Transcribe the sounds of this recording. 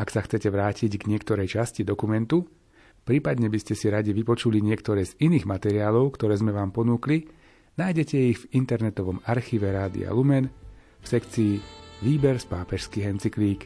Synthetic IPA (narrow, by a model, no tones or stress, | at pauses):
aksaxt͡sɛcɛʋɾaːciɟɡɲɪɛkt̪ɔɾɛjt͡ʃascid̪ɔkumɛnt̪u | pɾiːpad̪ɲɛbiscɛsiɾaɟiʋipɔt͡ʃuliɲɪɛkt̪ɔɾɛːziniːɣmat̪ɛɾiaːlɔʊkt̪ɔɾɛːzmɛʋaːmpɔnuːkli | naːjɟɛcɛiɣvint̪ɛɾnɛt̪ɔʋɔmaɾxiʋɛɾaːd̪ḭa̰lumɛn | fsɛkt͡siːʋiːbɛɾspaːpɛʃskiɦɛnt͡sikliːk